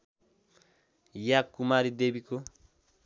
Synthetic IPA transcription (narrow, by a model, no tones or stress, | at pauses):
jakːumaɾidebiko